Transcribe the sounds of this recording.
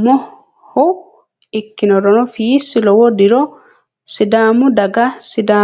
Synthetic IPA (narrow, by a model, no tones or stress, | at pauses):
mɔ | hɔ | ikːinɔɾɔnɔfiːsilɔwɔdiɾɔ | sidaːmudaɡasida